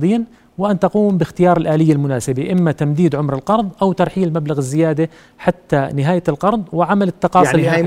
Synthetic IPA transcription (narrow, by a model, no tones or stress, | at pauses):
d̪ˤiːn | wɪʔant̪ɑquːmbɪxt̪ɪjɑːɾˤɪlʔaːlɪjːalmʊnaːsɪbiʔɪmːat̪amd̪iːd̪ʕʊmɾɪlqɑɾˤðˤʔawt̪ɑɾˤħiːlmablaɣɪzːɪjaːd̪a | ħat̪ːanɪɦaːjlqɑɾˤðˤwɪʕamalɪt̪ːɑqɑːsɪlː